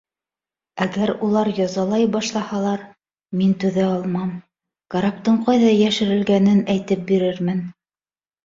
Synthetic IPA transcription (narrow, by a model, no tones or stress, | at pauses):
æɡæɾulˠɑɾjɑzɑlˠɑjbɑʃlˠɑhɑlˠɑɾ | mint̪ʉðæɑlˠmɑm | kaɾɑp̚t̪ɤɴqɑjðɑjæʃɘ̆ɾɘ̆lɡænɘnæjt̪ɘp̚biɾɘɾmɘn